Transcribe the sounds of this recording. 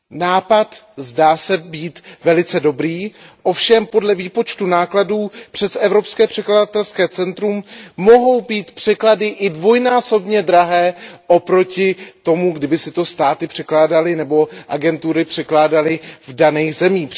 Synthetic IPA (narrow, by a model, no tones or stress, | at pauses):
naːpat̪zdaːsɛbiːt̪vɛlɪt͡sɛdo̞bɾiːʔo̞fʃɛmpo̞dlɛviːpo̞t͡ʃt̪unaːkladuːpr̥ɛsɛvɾo̞pskɛːpr̝̥ɛkladat̪ɛlskɛːt͡sɛnt̪ɾumːo̞ɦo̞wbiːt̪pr̥ɛkladɪʔɪdvo̞jnaːso̞bɲɛd̪ɾaɦɛːʔo̞pɾo̞cɪt̪o̞muɡdɪbɪsɪt̪o̞st̪aːt̪ɪpr̝̥ɛklaːdalɪnɛbo̞ʔaɡɛnt̪uɾɪpr̝̥ɛklaːdalɪvdanɛːxzɛmiː